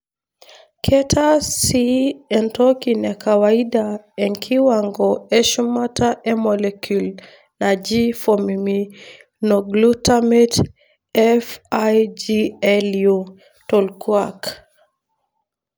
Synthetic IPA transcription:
kʰɛtʰasiɛntɔkinakawaiɗa | ɛŋkʰiwaŋɡɔɛʃumataʔɛmɔlɛkʰul | nad͡ʒifɔmimi | nɔɡlutamɛt | ɛfajd͡ʒiɛlju | tɔlkwak

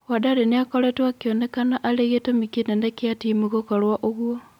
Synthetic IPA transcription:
wadaɾeneakoɾetwakjonekanaʔaleɣetomikenenekjatimuɣokaɾwaʔoɣwo

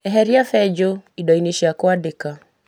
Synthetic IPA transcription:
ɛɦɛɾiafɛd͡ʒoidɔineʃiakɔadɪka

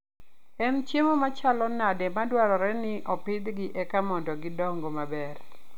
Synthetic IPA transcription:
ɛnt͡ʃemomat͡ʃalɔnadɛmadwaɾɔɾɛnɪʔɔpɪd̪ɡɪʔɛkamɔndɔɡɪdɔŋɡomabɛr

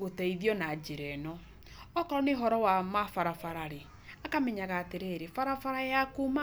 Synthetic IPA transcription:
ɣotaiðjɔnad͡ʒeɾɛnɔ | ɔkɔɾɔneɦɔɾɔwamafaɾafaɾaɾe | akamɛɲaɣaːteɾeɾefaɾafaɾajakuma

